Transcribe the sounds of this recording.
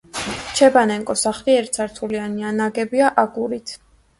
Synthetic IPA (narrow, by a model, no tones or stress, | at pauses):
t͡ʃʰɛbanɛŋkʼɔsaχliɛɾt̪saɾt̪ʰulianianaɡɛbiaʔaɡuɾit̪ʰ